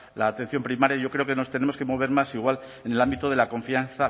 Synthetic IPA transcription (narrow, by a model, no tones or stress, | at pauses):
laːt̪en̟θjo̞mpɾimaɾjaʝo̞kɾe̞o̞keno̞st̪e̞ne̞moske̞mo̞β̞e̞ɾmasiɣwal | ene̞lambit̪oðe̞lako̞ɱfianθa